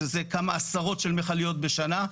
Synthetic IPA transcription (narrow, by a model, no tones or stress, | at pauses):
ezekamaːsaʁo̞tʃelmeχalijo̞t̪̚be̞ʃana